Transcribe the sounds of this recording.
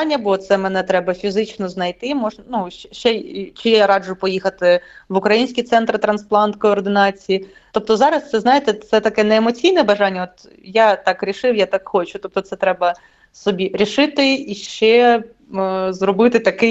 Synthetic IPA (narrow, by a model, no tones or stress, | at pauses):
nʲːɐbɔt̪sɛmɛnɛt̪ɾɛbɐfʲizɪt͡ʃnɔznɐjt̪ɪmɔʒnɐnuʃɛʃt͡ʃɛt͡ʃɪjaɾɑd͡ʒʊpɔjixɐt̪ɪʋʊkɾɐjinʲsʲkʲijt̪sɛnt̪ɾɨt̪ɾɐnsplˠɑnt̪kɔːrd̪ɪnɑt͡sʲiji | t̪ɔp̚t̪ɔzɑɾɐst̪sɛznɑjet̪ɛt̪sɛt̪ɐkɛnɛːmɔt͡sʲijnɛbɐʒɑnʲːɐɔt̪ | jat̪ɑkɾʲiʃɪwjat̪ɑkxɔt͡ʃʊ̥t̪ɔp̚t̪ɔt̪sɛt̪ɾɛbɐ | sɔbʲiɾʲiʃɪt̪ɪiʃt͡ʃɛ | zɾɔbɪt̪ɪt̪ɐkɪ